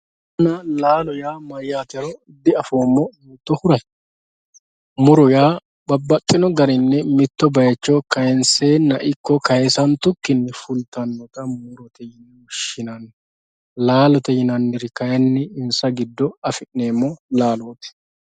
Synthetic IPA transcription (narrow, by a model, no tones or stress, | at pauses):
ɐnɐlaːlɔjaːmɐjːaːt̪ɛɾɔɪd̪ːɪɐfo̞ːmːɔnut̪ːɔhʊɾɐj | mʊɾɔjaː | bɐbːɐt̪ʼːɪnɔɡɐɾɪnːɛmɪt̪ːɔbɐjɛt͡ʃːokɐjɛnseːnːɐʔɪkːɔkɐjɛsɐnt̪ʊkːɪnːɛfʊlt̪ɐnːɔt̪ɐmʊɾɔt̪ɛjɪnːɛwɔʃːɪnɐnːɛ | laːlɔt̪ɛjɪnɐnːɪɾɪkɐjɐnːɪɪnsɐɡɪd̪ːɔɐfɪnneːmːɔlaːloːt̪ɛ̥